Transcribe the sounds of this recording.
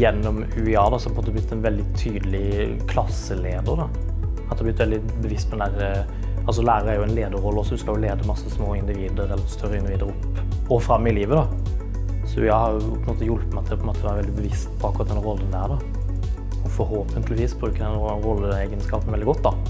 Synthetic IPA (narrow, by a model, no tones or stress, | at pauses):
jɛnːɔm | ʉɪɑd̪ɑsɔhɑpɔɛmoːt̪ːɛblɪt̪ːɛnʋɛld̪ɪt̪ʰyːd̪əlɪ | kʰlɑsəleːd̪əɾd̪ɑ | ɑt̪d̪ɛhɑblɪt̪ʋɛld̪ɪ | bəʋɪst̪pʰɔd̪ɛnd̪æɾə | ɑls̬ɔlæːɾəɾæɾjʊɛɪnleːd̪əɾʁɔlːəɔsɔd̪ʉskɑljʊleːd̪əmɑsːəsmoːɪnd̪ɪʋiːd̪əɾɛlːəɾɛst̪ʰœɾəɪnd̪ɪʋiːd̪əɾʊp | ɔfɾɑmːɪliːʋəd̪ɑ | sɔjæɪhɑɾjʊpʰɔɛnmoːt̪əjʊlp̪æɑt̪d̪ɛhɑpʰɔnmoːt̪əʋæːɾʋɛlɪbəʋɪst̪pʰɔɑkʊɾɑt̪̚d̪ɛnɾɔlːənd̪æːɾd̪ɑ | ɔfɔɾhoːpʰənt̪ʰlɪʋiːsbɾʉːkəɾd̪nɾɔlːəeːɡənskɑːpənʋɛld̪ɪɡɔt̪ːd̪ɑ